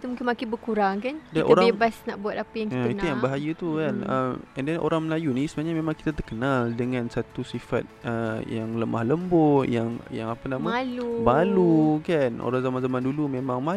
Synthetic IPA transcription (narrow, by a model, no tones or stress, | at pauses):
it̪umuŋkɪnmakɪnbəkuɾaŋkankdainʔo̰ɾabebasna̰ʔbuat̪apajaŋkikit̪ujaŋbaɦajət̪ukanəmɛndɛnʔo̰ɾaŋməlajunisəmaaɲamẽmãŋki̥t̪at̪ərkənaldəŋãnsat̪usifa̰t̪̚əjaŋləma̰hləmbojaŋjaŋapanamalubalukanʔo̰ɾaŋzamanzamãndulumẽmãŋma